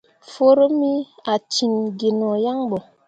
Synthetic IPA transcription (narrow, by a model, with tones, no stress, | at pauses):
fo˦ɾo˦mi˦a˨t͡ʃi˨nɡe˨nɔ˨ja˦ŋbɔ˨